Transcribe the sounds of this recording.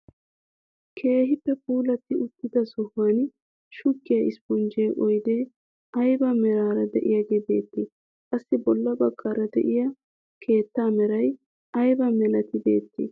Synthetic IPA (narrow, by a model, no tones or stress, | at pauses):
kʰe̞ːɦɪpːɛpuːlɐt̪ːɪʊt̪ːɪd̪ɐsɔhɐn | ʃʊkːɪjɐʔɪspɔnd͡ʒejʔɔjd̪eː | ɐjbɐmɛɾaːɾɐd̪ɛ̰ʔɪjɐɡɛbe̞̰ːt̪ːɪ | kʼɐsːɪbɔlːɐbɐɡːaːɾɐd̪ɛ̰ʔɪjɐ | kʰe̞ːt̪ːaːmɛɾɐj | ɐjbɐmɛlɐt̪ɪbe̞̰ːt̪ːɪ̰